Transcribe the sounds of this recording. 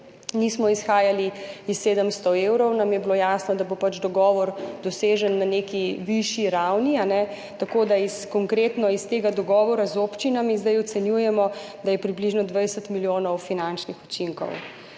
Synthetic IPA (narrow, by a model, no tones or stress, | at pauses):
nismɔisxaːjaliisːeːd̪əmst̪ɔewɾɔwnamjɛbilojaːsnɔd̪abopat͡ʃd̪ɔɡɔːʋɔɾd̪ɔseːʒənːanekiʋiʃiɾawnianɛ | t̪akoːd̪aiskɔŋkɾeːt̪nɔist̪eɡad̪ɔɡɔːʋɔɾazoːpt͡ʃinamizd̪ajɔt̪sɛnjujɛmɔd̪ajɛpɾibliʒnɔd̪ʋajsət̪miljoːnɔwfinant͡ʃnixut͡ʃiŋkɔ̰w